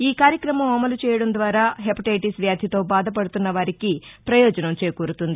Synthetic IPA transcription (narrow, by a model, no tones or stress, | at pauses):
iːkaːɾjɐkɾɐmɐmɐmɐlut͡ʃɛːjɐɽɐmd̪ʋaːɾaːɦepiʈɐjʈisʋjaːd̪ʱjɐt̪o̞ːbaːd̪ʱɐp̬ɐɽut̪unːɐʋaːɾikipɾɐjɔːd͡ʒɐnɐmt͡ʃeːkuːɾut̪und̪i